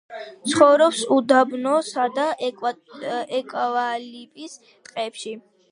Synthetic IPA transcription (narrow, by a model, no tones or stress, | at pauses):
t̪sʰχɔvɾɔpsud̪abnɔsad̪a | ɛkʼavalipʼis | t̪ʼqʼɛpʃi